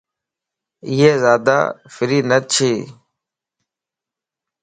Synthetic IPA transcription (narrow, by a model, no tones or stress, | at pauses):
ɪːeːzaːd̪a̰ːfɪɾiːnət͡ʃʰeː